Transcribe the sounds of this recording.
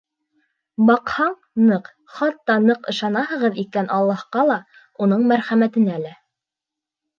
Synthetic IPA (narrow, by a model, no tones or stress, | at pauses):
bɑqhɑɴ | nɤq | χɑt̪ːɑnɤqɤ̆ʃɑnɑhɤ̆ʁɤðikænʔɑlˠːɑhqɑlˠɑ | unɤɴmæɾχæmæt̪ɘ̆nælæ